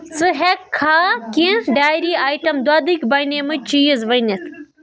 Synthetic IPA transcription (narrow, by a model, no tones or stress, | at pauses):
sɨɦekʰːaːkĩɖaːjɾiːaːjʈɐmd̪waːd̪ɨkbaːjnemɨt͡ʃʰijɐzʋɐjnet̪ʰ